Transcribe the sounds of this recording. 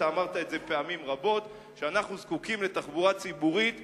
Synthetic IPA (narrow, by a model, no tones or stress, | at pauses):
aːmaʁt̪aetze̞pe̞amimʁabo̞t̪ | ʃeanaχnuzkukimle̞t̪aχbuʁat͡sibuʁit̪